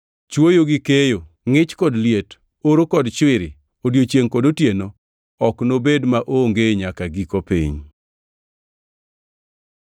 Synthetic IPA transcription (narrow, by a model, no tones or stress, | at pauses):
t͡ʃwojoɡikejo | ŋɪt͡ʃkɔdlɪet | oɾokɔdt͡ʃwɪɾɪ̰ | odjot͡ʃeŋkodotjeno | ɔknobedmaʔoŋɡeɲakaɡikopḭɲ